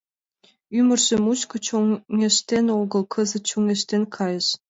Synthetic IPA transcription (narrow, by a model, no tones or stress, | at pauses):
ymʲɘ̆rʑ̥ɘ̆muɕkŏt͡ɕoŋŋʲĕʃt̪enʲoɡɤ̆lˠkʰɤ̆zɤ̆t͡ɕuŋʲĕʃt̪enʲkʰɑjɤ̆ʃ